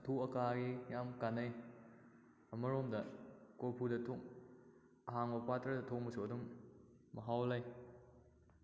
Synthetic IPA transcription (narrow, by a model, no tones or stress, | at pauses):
tʰukɐkaɡijamkanaj | ɐmɐɾomdɐkolpʰudɐtʰoŋ | ɐɦaŋbɐpatɾɐdɐtʰok̚mɐsuɐdumː | ɐɦawlaj